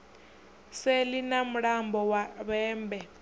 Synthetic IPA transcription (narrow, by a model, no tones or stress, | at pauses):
selinamuɺambɔwaβɛːmbɛ